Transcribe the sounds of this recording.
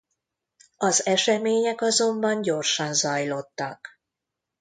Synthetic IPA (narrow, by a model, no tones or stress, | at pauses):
ɒzɛʃɛmeːɲɛkɒzo̞mbɒɲɟo̞rʃɒnzɒjlo̞t̪ːɒ̰k